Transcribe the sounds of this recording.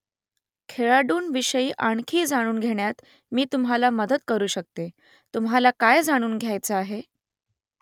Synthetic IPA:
kʰeɭaɖuːnʋiɕəiːʔaɳkʰiːd͡zaɽ̃uːnɡʱeɳjat̪ | miːt̪umɦalaməd̪ət̪kəɾuːɕək̚t̪e | t̪umɦalakajd͡zaɽ̃uːnɡʱjajt͡səaɦe

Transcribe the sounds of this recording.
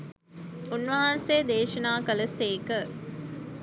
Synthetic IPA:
unːʋɐɦaːnseːd̪eːʃɐnaːkɐlɐseːkə

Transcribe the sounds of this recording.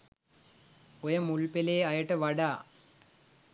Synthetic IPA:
ojəmulpeleːajəʈəʋaɖaː

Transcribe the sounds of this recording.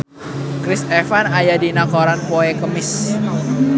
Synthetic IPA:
kɾɪsɛfanajadinakoɾanpoekəmɪs

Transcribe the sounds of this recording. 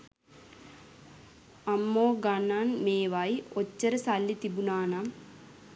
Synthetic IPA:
ɐmːoːɡanːanmeːʋajot͡ɕːəɾəsalːit̪ibunaːnam

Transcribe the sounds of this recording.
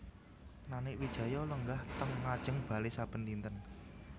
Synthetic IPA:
nanɪkwid̥ʒ̥ä̤jɔləŋɡaht̪əŋːad̥ʒ̥ə̤ŋb̥a̤lesab̥ə̤nt̪int̪ən

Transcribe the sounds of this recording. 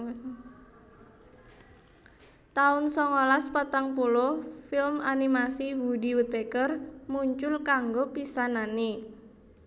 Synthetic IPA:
t̪aʊnsɔŋolaspat̪aŋpulʊhfɪlmanimasiwudiwut̪̚bekərmuɲt͡ʃʊlkaŋɡopisanani

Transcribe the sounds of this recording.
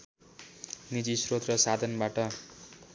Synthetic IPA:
nid͡zisrot̪rʌsad̪ʱʌnbaʈʌ

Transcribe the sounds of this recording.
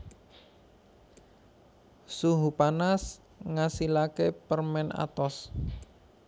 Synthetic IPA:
suɦupanas | ŋasilakepərmɛna̰t̪ɔs

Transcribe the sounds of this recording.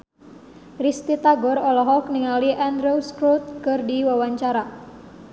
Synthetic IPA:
rist̪it̪aɡɔɾɔlɔɦɔk̚niŋaliʔandɾowskɾut̪̚kərdiwawaɲt͡ʃaɾa

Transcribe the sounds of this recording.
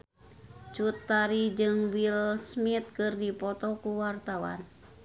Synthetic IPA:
t͡ʃut̪ːaɾid͡ʒɨŋwilsmit̪̚kɨrdipɔt̪ɔkuwart̪awa̰n

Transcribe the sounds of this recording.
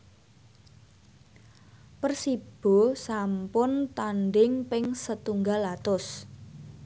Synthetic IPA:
pərsib̥o̤sampʊnt̪anɖɪŋpɪŋsət̪uŋɡalat̪ʊs

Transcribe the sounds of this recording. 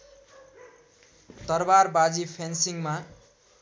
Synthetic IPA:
t̪ʌrbarbad͡zipʰensiŋma

